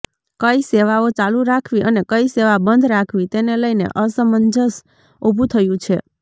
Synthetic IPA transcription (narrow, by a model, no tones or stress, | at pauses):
kəiseʋaot͡ʃaluɾakʰʋiʔənekəiseʋabənd̪ʱɾakʰʋit̪eneləjnḛʔəsəmənd͡ʒəs | obʱũt̪ʰəjũt͡ʃʰe